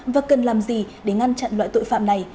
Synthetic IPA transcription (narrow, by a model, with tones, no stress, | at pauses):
vaː˨˩kə˨˩nlaː˨˩mzi˨˩ɗe˧˦ŋa˧nt͡ɕa̰˧˨nlwa̰ː˧˨jt̪o̰˧˨jfa̰ː˧˨mna˨˩j